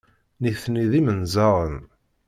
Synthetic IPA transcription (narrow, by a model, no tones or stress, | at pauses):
niθniðimənzɑɾˤən